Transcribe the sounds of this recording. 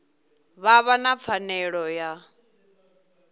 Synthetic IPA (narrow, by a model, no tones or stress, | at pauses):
βaβanap̪fʰanɛɺɔja